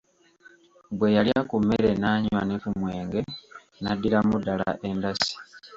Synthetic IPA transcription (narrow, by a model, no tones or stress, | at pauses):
bwe̞jaljakumːeɾe̞naːɲwanekumwe̞ːŋɡe̞ | nadːiɾamudːala̰ʔe̞ndasi̥